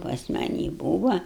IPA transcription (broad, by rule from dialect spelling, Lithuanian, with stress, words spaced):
pɐs mɐˈnʲiː ˈbuːʋɐ